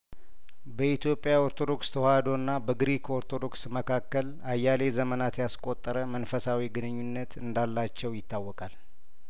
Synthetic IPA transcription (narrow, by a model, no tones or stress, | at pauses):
bəit̪jo̞pʼːjaoɾt̪ʰod̪o̞kst̪ʰəhad̪o̞nːabəɡɨɾikʰoɾt̪ʰo̞d̪o̞ksməkʰakːəl | ajːale̞zəmənat̪jaskʼot̪ʼːəɾəmənfəsawiɡɨnɨɲːunːət̪ʰɨnd̪alːat͡ʃːɛwjɪt̪ʰːawːɔkʼal